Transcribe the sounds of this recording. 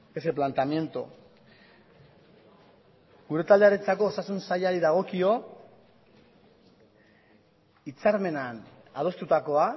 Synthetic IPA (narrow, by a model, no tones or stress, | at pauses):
eseplant̪amje̞nt̪o̰ | ɡuɾe̞t̪ald̪eaɾet͡sako̞ːsasunsaʎaɾiðaɣ̞o̞kio̞ | it͡saɾme̞nan | að̞o̞st̪ut̪ako̞a